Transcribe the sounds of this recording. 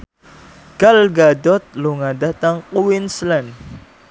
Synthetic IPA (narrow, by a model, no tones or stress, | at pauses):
ɡ̥alɡadɔt̪̚luŋadat̪aŋkuwinslɛn